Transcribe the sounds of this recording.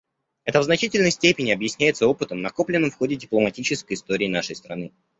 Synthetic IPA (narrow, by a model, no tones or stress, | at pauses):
ɛt̪əvznɐt͡ɕitʲɪlʲnəjsʲtʲepʲɪnʲɪɐbjɪsʲnʲæjɪt̪səo̞pɨt̪əmnɐko̞plʲɪnːəmfxo̞dʲɪdʲɪplˠəmɐtʲit͡ɕɪskəjɪst̪oɾʲɪːnaʂəjst̪ɾɐnɨ